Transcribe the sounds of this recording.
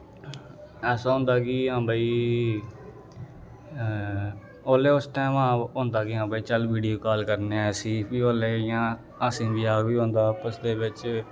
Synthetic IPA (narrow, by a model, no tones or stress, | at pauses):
ɛːsaːɦʊ̃ːnd̪aːkɪɦãːbaːiː | oːleːʊsʈɛ̃ːʋãːɦõːnd̪aːkɪɦãːbaːiːt͡ʃəlʋiːɖijoːkaːlkəɾneːɛːsiːbiːoːleːɪjãː | aːsĩːbɪaːʋiːɦõːnd̪aːpəsd̪eːʋɪt͡ʃ